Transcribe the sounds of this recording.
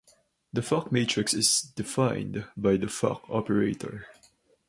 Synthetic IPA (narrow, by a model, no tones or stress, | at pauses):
ðəfakmetʰɹɪksɪzd̥ɪfãɪ̃ndbajðəfa̰kʰɔpəɹeɪtʰə̰ɹ